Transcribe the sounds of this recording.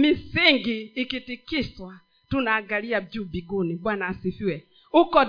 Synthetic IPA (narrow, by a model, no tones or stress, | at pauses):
mɪsɪŋɡɪːkɪtɪkɪswa | tunaɡaɾiad͡ʒubiɡonibwanasifiwɛ | ʊkɔ